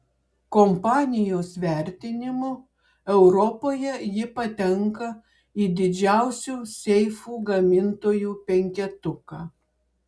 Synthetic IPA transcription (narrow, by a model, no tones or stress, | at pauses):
kɔmpɑːnʲɪjoːsʋʲɛˑɾʲt̪ʲɪnʲɪmo | ɛʊɾɔpoːjɛjɪpɐt̪ʲɛŋkɐ | iːd̪ʲɪd͡ʒʲæˑʊsʲuːsʲɛɪfuːɡɐmʲɪnt̪oːjuːpʲɛŋʲkʲɛt̪ʊkɑː